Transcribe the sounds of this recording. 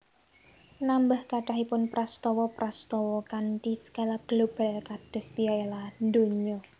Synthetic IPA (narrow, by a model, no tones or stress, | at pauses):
nambahkaɖaɦipʊnpɾast̪ɔwɔpɾast̪ɔwɔkant̪isə̥kalaɡ̥lob̥a̤lkad̥ɔ̤spiaeland̪oɲɔ